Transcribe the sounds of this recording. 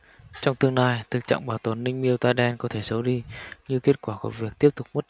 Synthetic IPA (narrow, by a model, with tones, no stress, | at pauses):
t͡ɕɔ˧wŋ͡mt̪ɨ˧əŋnaː˧jt̪ʰɨ˨˩k̚t͡ɕa̰ː˧˨ŋɓaː˧˩wt̪ə˨˩nːï˧ŋ̟mi˧əwt̪aː˧jɗɛ˧nkɔ˨˦t̪ʰe˧˩sə˨˦wɗi˧ɲɨ˧ke˦˥ət̚kwaː˧˩ku˧˩vi˨˩ək̚t̪i˦˥əp̚t̪ʊ˨˩k͡p̚mə˦˥t̚